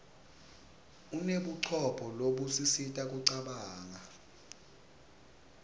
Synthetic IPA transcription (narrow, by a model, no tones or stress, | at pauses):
uneɓuǀʰɔpʰɔloɓusisitʼak̬ʼuǀaɓaːŋa